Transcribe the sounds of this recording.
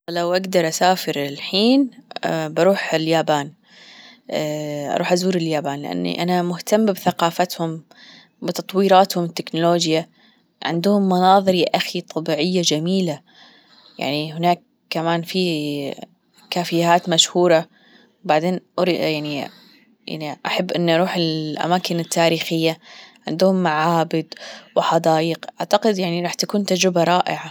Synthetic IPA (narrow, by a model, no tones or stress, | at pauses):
lawʔaɡd̪ɑɾˤʔasaːfɪɾɪlħiːnbɑɾˤuːħɪljaːbaːn | ʔɑ̰ɾˤuːħʔazuːɾɪljaːbaːnlɪʔa̰nːḭʔa̰namʊht̪amːbθaqɑːfat̪hʊm | bɪt̪ɑt̪ˤwiːɾɑːt̪hʊmɪt̪ːɪknʊloːd͡ʒja | ʕɪ̰nd̪ʊhʊmːɑnɑːðˤɨɾiʔaxit̪ˤʰɑbiːʕɪjːad͡ʒamiːla | ja̰ʕniɦɪnaːkː | amaːnfi | kaːfɪjaːt̪maʃhuːɾˤɑ | wbaʕd̪eːnʔɾjaʕni | ja̰ʕniʔaħabːʔɪnːʔɑɾˤuːħɪlʔa̰maːkɪnɪt̪ʰːaːɾiːxɪjːaʕɪnd̪ʊhʊmːaʕaːbɪd̪wɪħɑd̪ɑːjɪqʔaʕt̪aqɪd̪jaʕniɾɑːħt̪akuːnt̪ad͡ʒɾɪbaɾˤɑːʔɪʕa